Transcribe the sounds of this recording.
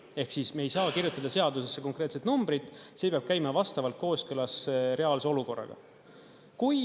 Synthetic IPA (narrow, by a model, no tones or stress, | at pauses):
e̞hksisme̞jsɑːkirjut̪ːˑɑd̪ɑse̞ɑd̪usesːeko̞ŋkɾe̞ːt̪set̪numb̥ɾid̪̥ˑseːpeɑb̥̚kæjmɑvɑst̪ɑvɑlt̪̚ko̞ːskølɑsɾe̞ɑlseo̞luko̞rːɑ̰ɡ̥ɑ̰ | kuj